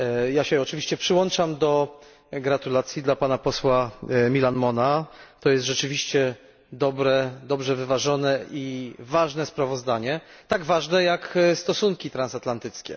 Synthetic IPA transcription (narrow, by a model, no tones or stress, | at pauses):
jaɕɛɔt͡ʂɘvʲiɕt͡ɕɛpʂɘwɔnt͡ʂamd̪ɔ | ɡɾat̪ulat̪sʲjid̪lapanapɔswamʲilanmɔnat̪ɔjɛst̪ʐɛt͡ʂɘvʲiɕt͡ɕɛ | d̪ɔbɾɛd̪ɔbʐɛvɘvaʐɔnɛivaʐnɛspɾavɔzd̪aɲɛt̪aɡvaʐnɛjakst̪ɔsuŋkʲit̪ɾansat̪lant̪ɘt̪skʲɛ̰